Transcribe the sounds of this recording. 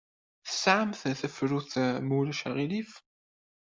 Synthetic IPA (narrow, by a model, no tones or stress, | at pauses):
θə̥sʕəmθθəfɾuθmulæʃəʁilif